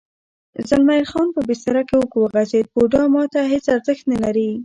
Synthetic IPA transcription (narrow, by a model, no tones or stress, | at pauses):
zalmajɾxɑnpəbest̪aɾakewəkowəɣazed̪̚boɖɑmɑt̪aɦet͡saɾzəxt̪nalaɾi